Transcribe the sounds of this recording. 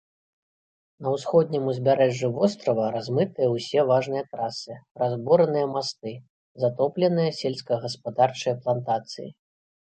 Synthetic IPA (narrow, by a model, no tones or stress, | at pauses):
nɐwsxɔd̪nʲimuzʲbʲaɾɛʐːuvɔst̪ɾɐvɐɾazmɨt̪ɨjɐwsʲɛvaʐnɨjɐt̪ɾasɨɾazbɔɾɐnɨjɐmast̪ɨ | zat̪ɔplʲɛnɨjɐsʲɛlʲsʲkɐɣɐspad̪art͡ʂɨjɐplˠant̪at̪sɨjḭ